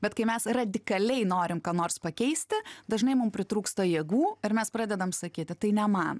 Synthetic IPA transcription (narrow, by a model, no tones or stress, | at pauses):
bʲɛt̪kɐɪmʲɛsrɐd̪ʲɪkɐlʲɛɪnoːɾʲɪmkɑːnoːrspɐkʲɛɪsʲt̪ʲɪd̪ɐʒnɐɪmʊmpʲɾʲɪt̪ɾuːkst̪ɐjeːɡuːɪɾmʲɛspɾɑːd̪ʲɛd̪ɐmsɐkʲiːt̪ʲɪt̪ɐɪnʲɛmɑːn